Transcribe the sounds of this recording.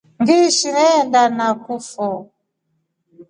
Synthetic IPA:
ŋɡiʃinɛndanakufɔ

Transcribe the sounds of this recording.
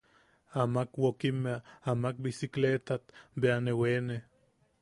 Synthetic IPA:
amakwokimeaamak̚bisiklet̪at̪beanewene

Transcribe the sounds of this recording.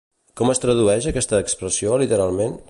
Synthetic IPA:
kɔməst̪ɾəðuɛʃəkɛst̪əːkspɾəsiolit̪əɾalˠmen

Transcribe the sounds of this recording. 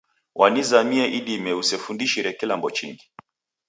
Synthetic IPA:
wʔanizamiɛʔiɗimɛusɛfundiʃiɾɛkilambɔt͡ʃḭŋɡi

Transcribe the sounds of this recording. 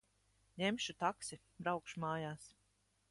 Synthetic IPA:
ɲemʃut̪aksi | bɾawkʃumaːjaːs

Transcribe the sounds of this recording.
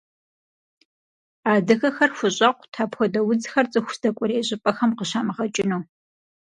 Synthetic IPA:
aːdɨxɐxɐrxʷʊɕʼɐqʷtʰaːpxʷɔdɐwʊd͡zxɐrt͡sʼɨxʷʊsd̥ɐkʷʼʊɾeːʑʼɪpʼɐxɐmqəɕaːmɐʁɐt͡ʃʼɪnuː

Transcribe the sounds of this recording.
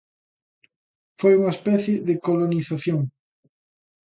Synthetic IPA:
fojuŋaespɛθjeðekoloniθaθjoŋ

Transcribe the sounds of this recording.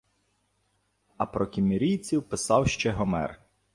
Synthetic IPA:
ɐpɾɔkʲimʲeɾʲijt͡sʲiwpɪsɑwʃt͡ʃɛɦɔmɛ̰r

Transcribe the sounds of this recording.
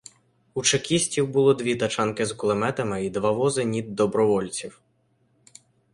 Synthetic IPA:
ut͡ʃekʲisʲtʲiwbʊlˠɔd̪ʲʋʲit̪ɐt͡ʃɑnkɪzklˠemɛt̪ɐmɪid̪ʋɑʋɔzɪnʲid̪ːɔbɾɔʋɔlʲt͡sʲiw

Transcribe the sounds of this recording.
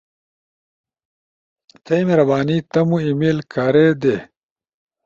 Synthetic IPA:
t̪ʰɐjmeɾɐbaːnit̪ɐmuimilkaɾed̪e

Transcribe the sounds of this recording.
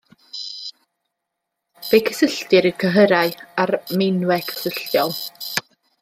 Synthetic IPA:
v̥ejkʰəsəɬtɨɾəkʰəɦəɾaɨarmɪnwɛkʰə̥səɬjɔlˠ

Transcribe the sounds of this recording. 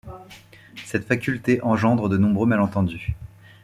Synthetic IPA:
sɛt̪fakʲylt̪eʔɑ̃ʒɑ̃d̪ʁəd̪ənɔ̃bʁømalɑ̃t̪ɑ̃d̪y

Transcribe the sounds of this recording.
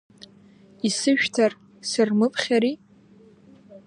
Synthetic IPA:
isɨʃᶣtʰar | sɨrmɨpʰʼχʲaɾi

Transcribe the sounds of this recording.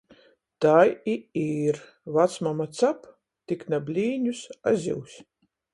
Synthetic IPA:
t̪ajiiːɾ | vat̪smamat̪sap | t̪ʲiknabʲlʲiːnʲusa̰zʲḭwsʲ

